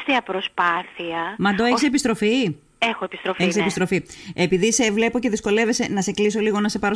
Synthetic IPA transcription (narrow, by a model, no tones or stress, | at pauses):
t̪iɐpɾospɐθiɐmɐd̪oeçisepist̪ɾo̞fi | exoepi̥st̪ɾofeçisepist̪ɾo̞fiepiðise̞vle̞po̞ce̞ðisko̞le̞ve̞se̞nɐse̞kliso̞liɣo̞nɐse̞pɐɾo